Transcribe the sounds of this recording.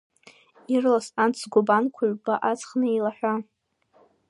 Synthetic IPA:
irlasant͡sʰɡʷʊbankʷʰaɥbaʔat͡sʰʼχnɨelaħʷᶣa

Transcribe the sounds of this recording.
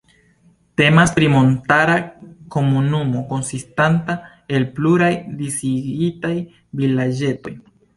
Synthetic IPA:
te̞maspɾimo̞ntaɾako̞munumo̞ko̞nsistanta | e̞lpluɾajdisiɡitaj | vilad͡ʒe̞to̞̰j

